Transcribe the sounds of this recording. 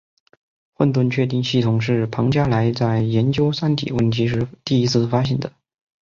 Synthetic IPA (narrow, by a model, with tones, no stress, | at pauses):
xwə˥˧nt̪̬wə˥˧nt͡ɕʰɥɛ˥˧t̪̬i˥˧ŋɕi˥˩t̪ʰʊ˨˩ŋʂɻ̩˥˩pʰɑ˧˥ŋt͡ɕja˥la˧˥ɪt͡sa˥˩ɪjɛ˧˥nt͡ɕjo˥ʊsa˥nt̪ʰḭ˨˩wə˥˩nt̪ʰi˧˥ʂɻ̩˥˧t̪i˥˩i˥t͡sʰɹ̩˥˩fa˥ɕ̬jɛ˥˩nd̪ə˩